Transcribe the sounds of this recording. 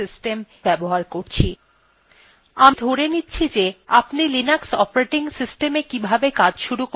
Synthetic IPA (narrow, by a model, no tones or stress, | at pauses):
isʈem | bɛboɦaɾkoɾt͡ɕʰi | amid̪ʱoɾenitːɕʰid͡ʑeapnilinaksɔpɾeʈiŋsisʈemekibʱabekad͡ʑʃuɾuk